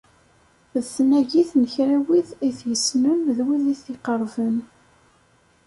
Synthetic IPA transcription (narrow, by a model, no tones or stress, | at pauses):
ðθnæʝiθnəçɾæwiðiθjəsnəmðwiðiθiqəɾˤvən